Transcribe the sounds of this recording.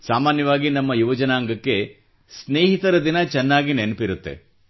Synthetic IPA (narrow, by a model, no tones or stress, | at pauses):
saːmaːnjɐʋaːɡinɐmːɐjuʋɐd͡ʒɐnaːŋɡɐkːe̞ | sneːɦit̪ɐɾɐd̪inɐt͡ʃɛnːaːɡinenpiɾut̪ːe̞̰